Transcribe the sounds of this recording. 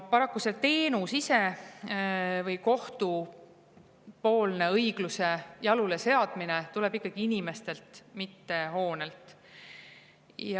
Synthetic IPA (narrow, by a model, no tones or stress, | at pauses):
pɑɾɑkˑːuset̪e̞ːnusise̞ | vɤjko̞ht̪u | po̞ːlne̞ɤjɡ̥luse̞jɑlulese̞ɑd̪̥minet̪ulɛ̞b̥ikːˑɑɡ̥iinime̞st̪e̞lt̪mit̪ːe̞ho̞ːne̞lt̪ˑ | j